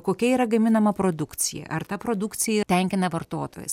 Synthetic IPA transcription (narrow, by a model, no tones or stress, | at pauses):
koːkʲɛiːɾɐɡɐmʲɪnɐmɐpɾoːd̪ʊkt̪sʲɪjɛ̰ʔɐrt̪ɐpɾoːd̪ʊkt̪sʲɪjɛt̪ʲɛŋʲkʲɪnɐʋɐrt̪oːt̪o̰ːjɛ̰s